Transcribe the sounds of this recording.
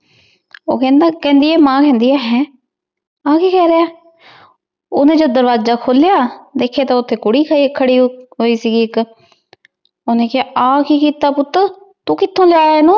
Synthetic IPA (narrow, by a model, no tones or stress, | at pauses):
o̰ːkɛ̃ːnd̪aːkɛ̃ːnd̪iːɛːmãːkɛ̃ːnd̪iːɛːɦɛː | ãːkiːkɛːɾeaː | oːnẽːd͡ʒəd̪əɾʋaːd͡ʒaːkʰoːljaːd̪eːkʰːjaːt̪ãːʊt̪ʰːeːkʊɽiːkʰəɽiːɦoːiːsiːɡiːɪk | onẽːkɪaːʔãːkiːkiːt̪aːpʊt̪ːə | t̪ũːkɪt̪ʰːõːlaːɾnõː